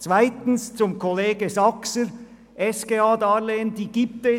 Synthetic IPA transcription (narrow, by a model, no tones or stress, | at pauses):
t͡sv̥aɪtn̩st͡sʊmkʰɔleːɡəzɑksəɾ | ʔɛskeːɑːdɑɾleːndiːɡiːp̚tɛ